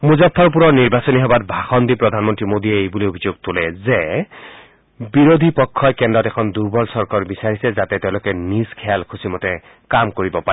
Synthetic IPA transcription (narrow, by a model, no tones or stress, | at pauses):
muzɔpʰːɔɹp̬uɹɔniɹbasɔniɦɔbatbʱaxɔndipɹɔdʱanmɔntɹimodiɛejbuliobʱizoɡ̚tʊlɛzɛ | biɹodʱipɔkʰːɔjkɛndɔtɛkʰɔnduɹbɔlsɔɹkɔɹbisaɹisɛzatɛtɛʊ̃lʊkɛniskʰɛalkʰusimɔtɛ | kamkoɹibɔpa